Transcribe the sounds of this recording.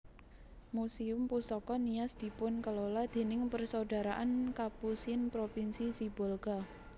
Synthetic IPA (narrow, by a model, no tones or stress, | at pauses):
musiʊmpusɔkɔnijasd̪̥i̤pʊnkəlolad̪̥e̤nɪŋpərsoɖa̤ɾaʔankapusinpɾopinsisibɔlɡa